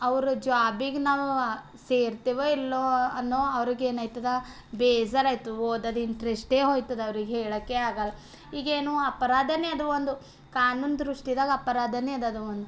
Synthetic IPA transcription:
ɐʋɐɾud͡ʒaːbiɡenaːʋu | seːɾt̪iːʋoilːoɐnːoːɐʋɐɾiɡeːnɐːjt̪ɐd̪ɐ | beːd͡ʒɐɾaːjt̪uoːd̪ɐd̪iɳʈɐɾesʈeːɦoːjt̪ɐd̪ɐʋɐɾiɡeɦeːɭɐkːeaːɡɐlɐ | iːɡeːnuːɐpɐɾaːd̪ʱɐnɛɐd̪uʋond̪u | kaːnuːnd̪ɾuʂʈid̪aːɡɐɐpɐɾaːd̪ʱɐnɛɐd̪ɐd̪uʋond̪u

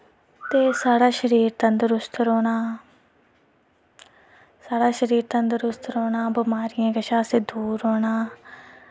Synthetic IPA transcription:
t̪eːsaːɽaːʃəɾiːɾt̪ənd̪əɾʊst̪ɾoːɽ̃aː | saːɽaːʃəɾiːɾt̪ənd̪əɾʊst̪ɾoːɽaːbəmaːɾɪjãːɡəʃãːseːd̪uːɾoːɳaː

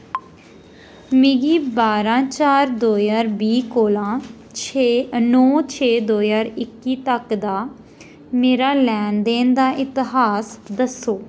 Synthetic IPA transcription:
mɪɡiːbaːɾãːt͡ʃaːɾd̪oːzaːɾbiːkoːlãː | t͡ʃnɔːt͡ʃʰeːd̪oːjaːɾɪkːiːt̪əkd̪aː | meːɾaːlɛːnd̪eːnd̪aːʔɪt̪ɪɦaːsd̪əsoː

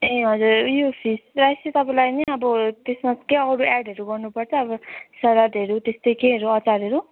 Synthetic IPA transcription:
eɦʌd͡zuɾjopʰisrajsit̪ʌpãlajniʌbʌt̪esmaskeʌɽuɛɖʱʌɾuɡʌrnupʌrt͡sʰʌːbʌsʌɾaɖeɾut̪est̪ʌjkeɦʌɾuʌt͡saɾɦʌɾu

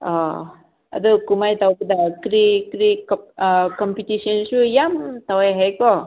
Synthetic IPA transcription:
ɔ | a̰d̪ɯkumajt̪awkɯd̪akɾikɾikkɔmpitisɔnsujamt̪awajɦajkɔ

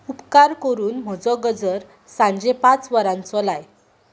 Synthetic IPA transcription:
upkaɾkəɾuːnm̤əd͡zɔɡəd͡zəɾ | sãɲd͡ʑepat͡sʋəɾãnt͡sɔlaj

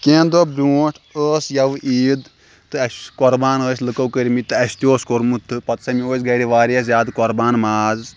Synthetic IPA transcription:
kʲẽːnd̪obɾʲuːʈʰəːsjɐʋʔiːd̪ | t̪ɨɐsʲkɔɾbaːnəːsʲlɨkɐwkəɾʲimit̪ɨɐsʲt̪ioːskoɾmut̪ʰːɨpɐt̪sɐmioːsʲɡɐɾiʋaːɾɐs̬jaːd̪kɔɾbaːnmaːz

